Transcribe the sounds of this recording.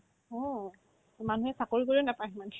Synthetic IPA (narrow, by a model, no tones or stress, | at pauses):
ɔ | manuɦɛsakoɹikoɹionapajman